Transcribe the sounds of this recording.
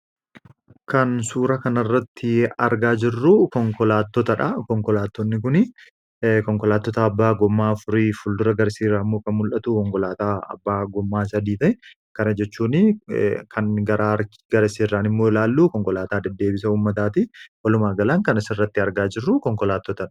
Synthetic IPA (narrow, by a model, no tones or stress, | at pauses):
kɐnsuːɾɐkɐnɐrːɐt̪ːɪɐɾɡaːd͡ʒɪrːukɔŋkɔlaːt̪ːɔt̪ɐᶑɐkɔŋkɔlaːt̪ːɔnːɪkʊnɪ | kɔŋkɔlaːt̪ːɔt̪ɐːbːaːɡɔmːaːfʊɾiːfʊld̪ʊɾɐɡɐɾsiːrːaːɪmːo̞ːkɐnmʊlʔɐt̪uːkɔŋkɔlaːt̪aːɐ̰bːaːɡɔmːaːsɐd̪iːt̪ɐɛ | kɐnɐd͡ʒɛt͡ʃːuːnɪkʰɐnɡɐɾaɾ | ɡ̥ɐɾɐsiːrːaːnɪmːoːɪlaːlːuːkɔŋkɔlaːt̪aːd̪ɐd̪ːe̞ːbɪsɐuːmːɐt̪aːt̪ɪwɐlʊmaːɡɐlaŋkɐnɐsɪrːɐt̪ːɪɐɾɡaːd͡ʒɪrːukɔŋkɔlaːt̪ːɔt̪ɐᶑɐ̥